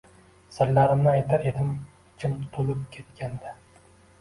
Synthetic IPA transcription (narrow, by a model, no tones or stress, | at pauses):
sɪɾlːaɾɪmnɪajt̪ʰaɾed̪ɪm | t͡ʃʰɪmt̪ʰolɪp̚kʲʰe̞t̪kʲʰand̪ɪ